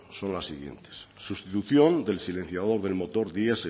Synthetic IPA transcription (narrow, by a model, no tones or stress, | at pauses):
sõ̞nlasːiɣje̞̰nt̪e̥sːust̪it̪uθjõ̞nd̪e̞lsile̞n̟θjað̞o̞ɾðelmo̞t̪oɾðiase